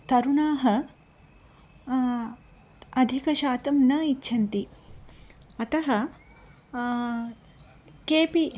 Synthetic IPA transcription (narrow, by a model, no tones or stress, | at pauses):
t̪ɐɾunaːɦɐ | ɐd̪ʱikɐʃaːt̪ɐmnɐitːʃʰɐnt̪i | ɐt̪ɐɦɐ | keːpi